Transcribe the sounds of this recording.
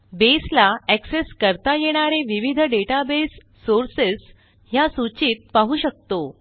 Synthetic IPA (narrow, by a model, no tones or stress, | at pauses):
beslaɛkseskəɾt̪ajeɽ̃aɾeʋiʋid̪ʱəɖeʈabesː | oɾses | jasut͡ɕiːt̪̚paɦuːɕək̚t̪o